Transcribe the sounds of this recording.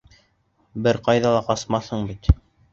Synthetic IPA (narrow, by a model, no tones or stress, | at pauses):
bɘɾqɑjðɑlˠɑqɑsmɑθhɤɴbit̪